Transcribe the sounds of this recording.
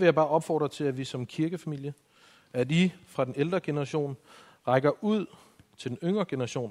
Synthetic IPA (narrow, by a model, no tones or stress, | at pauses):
ʋe̝jɑ̈ɪbɑ̈ːʔɒ̽b̥fɒ̰ːd̥ʁɐt͡sʰe̝læʋisɒ̽mkʰiɐɡ̥əfæmil̰jə | ædifʁɑ̈d̥eneld̥ʁɐɡ̥e̝nɐʁɑ̈ɕo̝̰ːn | ʁɑ̈ɪɡ̥ɐʔuð̰ˠ | t͡sʰe̝d̥enøŋ̰ʁɐɡ̥e̝nəɐʁɑ̈ɕo̝̰ːn